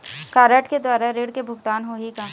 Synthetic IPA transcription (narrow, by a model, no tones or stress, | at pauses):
kaːɾəʈked̪waːɾaɾeːɽkebʱʊɡt̪aːnɦoːɦika